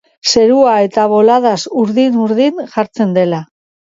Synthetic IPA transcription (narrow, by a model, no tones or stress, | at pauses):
se̞ɾuae̞t̪aβo̞laðasuɾðinuɾðinʝaɾt͡se̞nd̪e̞la